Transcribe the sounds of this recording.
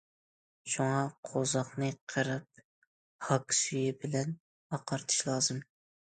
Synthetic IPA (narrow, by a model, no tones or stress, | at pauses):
ʃuŋɑqʰozɑχnɨqʰəɾɨp̚ | hɑkʲsyjɪbɪlɛn | ɑqʰɑɾt̪ʰɨ̥ʃlˠɑːzɨm